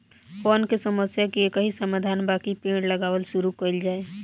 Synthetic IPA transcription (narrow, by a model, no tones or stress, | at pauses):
pɔːnkesəməsjakiekəɦisəmaːd̪ʱaːnbaːkipẽːɽləɡaːwəlʃʊɾukəld͡ʒaːe